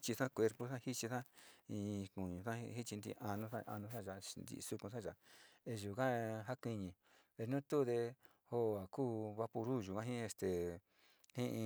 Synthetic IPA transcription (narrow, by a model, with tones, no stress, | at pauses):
t͡ʃi˧sã˦kʷe˧ɾpo˦˧sã˦hi˦t͡ʃi˧sã˦ĩ˧kũ˨ɲũ˨sã˦hi˦t͡ʃi˧nd̪ḭ˧a˧nũ˧sa˦ʔa̰˧nũ˧˦sã˦ʒa˧nd̪ḭ˧su˧kũ˧sã˦ʒa˨e˧ʒu˨kã˦ɦa˦kʷi˧ɲĩ˧˨ | βe˧˨˧nũ˦t̪u˦˧ðe˧ | ho˦˨a˨kuː˦βa˧pu˧ɾu˦˨ʒu˨kã˦ɦĩ˦e˧st̪e˨ | hĩ˦ʔĩ˧